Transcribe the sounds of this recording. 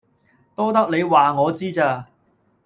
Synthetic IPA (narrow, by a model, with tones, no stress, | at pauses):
t̪ɔː˥t̪ɐ˥k̚ne˨˧jwaː˨ŋɔː˨˧t͡siː˥t͡saː˧